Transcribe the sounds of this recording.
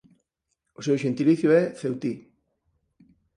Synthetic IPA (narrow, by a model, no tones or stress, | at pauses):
osewʃent̪iliθjueθewt̪i